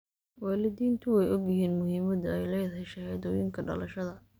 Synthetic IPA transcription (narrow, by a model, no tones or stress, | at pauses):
waːlɪd̪iːnt̪ʰʊwɛjɔɡjɪɦiːnmʊɦiːmɐd̪ɐɛjlɛjðɦɛʃɐhɛjd̪ɔjɪŋkʰɐɖɐ̰lɐʃɐðɐ